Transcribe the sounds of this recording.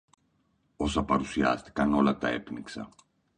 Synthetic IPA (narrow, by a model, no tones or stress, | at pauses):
o̞sɐpɐɾusiɐ̰st̪i̥kɐno̞lɐt̪ɐe̞pniksɐ̰